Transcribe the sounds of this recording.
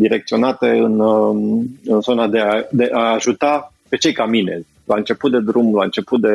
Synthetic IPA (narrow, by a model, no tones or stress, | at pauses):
d̪iɾek̚t̪sio̞nat̪e̞ɨn | ɨnzo̞nad̪e̞ad̪e̞ʔaːʒut̪a | pe̞t͡ʃe̞jkamine̞̰zʲ | laɨnt͡ʃe̞put̪̚d̪e̞d̪ɾumlaɨnt͡ʃe̞put̪̚d̪e̞